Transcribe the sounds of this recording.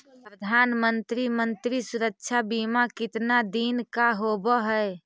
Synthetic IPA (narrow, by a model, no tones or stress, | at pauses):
pɾəd̪ʱanmənt̪ɾimənt̪ɾisuɾəkt͡ʃʰabimakit̪nad̪inkaɦobəɦɛe